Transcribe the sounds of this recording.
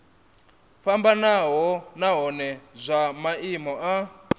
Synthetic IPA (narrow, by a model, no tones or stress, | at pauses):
fambanaɦɔnaɦɔnɛzʷamaimɔʔa